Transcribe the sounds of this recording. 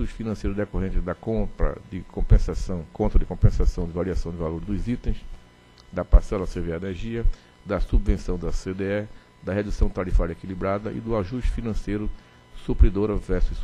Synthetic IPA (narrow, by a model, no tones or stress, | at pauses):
uʃfinɐ̃sejɾʊd̪ekoɦẽnt͡ʃɪd̪ɐkõpɾɐ̰d̪ɪkõpẽsasɐ̃w̃kõt̪ɾɐd̪ɪkõmpẽsasɐ̃w̃d̪ɪvaɾiasɐ̃w̃d̪ɪvaloɾd̪ʊzit̪ẽj̃s | d̪ɐpasɛlɐseveaeneɾʒiɐ | d̪ɐsubvẽsɐ̃w̃d̪ɐsed̪eɛ | d̪ɐhed̪usɐ̃w̃t̪aɾifaɾjekilibɾad̪ɐʔɪ̰d̪ʊaʒuʃt͡ʃɪ̥finɐ̃sejɾʊ | supɾid̪oɾɐvɛɾsʊs